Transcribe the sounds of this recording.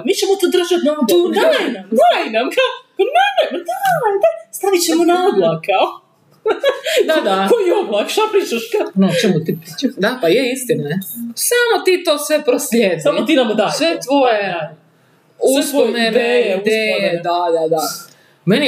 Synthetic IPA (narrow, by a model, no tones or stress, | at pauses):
mit͡ɕɛmot̪od̪r̩ʒat̪naoanamd̪ainamkakomɛnɛmd̪alad̪ast̪aʋit͡ɕɛmonaoblˠakao | d̪ad̪akojoblˠakʃapɾiːt͡ʃaʃkanot͡ʃɛmut̪ipɾit͡ʃad̪apajɛist̪inaesamot̪it̪oːsʋepɾoslʲeːd̪samot̪inamd̪asʋet̪ʋoje | usonened̪ejed̪ad̪ad̪a | meni